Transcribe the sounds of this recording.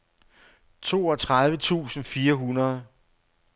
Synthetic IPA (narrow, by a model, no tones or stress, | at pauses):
t͡sʰo̝̰ːɒt͡sʰʁaðˠʋət͡sʰṵːsn̩fiːɐɦunɐð̞ˠ